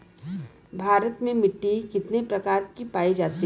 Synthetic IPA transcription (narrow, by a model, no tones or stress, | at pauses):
bʱaːɾət̪mẽmɪʈːikɪt̪nepɾɐkaːɾkipaːid͡ʒaːt̪i